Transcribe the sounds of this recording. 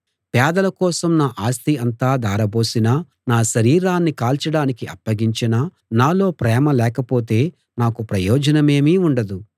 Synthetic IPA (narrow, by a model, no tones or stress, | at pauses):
pɛːd̪ɐlɐkɔːsɐmnaːʔaːst̪iɐnt̪aːd̪aːɾɐbo̞ːsinaː | naːʃɐɾiːɾaːnːikaːlt͡ʃɐɽaːnikiʔɐ̰pːɐɡiɲt͡ʃina | naːlo̞ːpɾɛːmɐlɛːkɐpoːt̪̬e̞ː | naːkupɾɐjɔːd͡ʒɐnɐme̞ːmiːuɳɖɐd̪u